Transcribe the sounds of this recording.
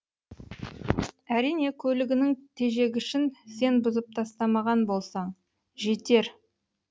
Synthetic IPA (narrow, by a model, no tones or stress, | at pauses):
æɾijne̞kʲʰɵlɪɡʲɪnɪŋt̪ʰe̞ʒe̞ɡʲɪʏʃɪnse̞nbʊzəp̚t̪ʰɑst̪ɑmɑʁɑnbo̞lˠsɑɴ | ʒe̞t̪e̞ɾ